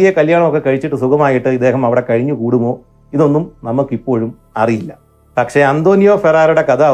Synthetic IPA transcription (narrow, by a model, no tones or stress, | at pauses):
ijɐkɐljaːɳɐmo̞kːe̞kɐɻit͡ɕːiʈːɨsukɐmaːjiʈːɨid̪ːe̞ːɦɐmɐʋiɽe̞kɐɻiɲːukuːɽumo̞ː | iðo̞nːumnɐmɐkːipːo̞ːɻum | ɐrijilːɐ | pɐkʂe̞ɐnd̪o̞ːnijoːferaːɾuɽe̞kɐd̪a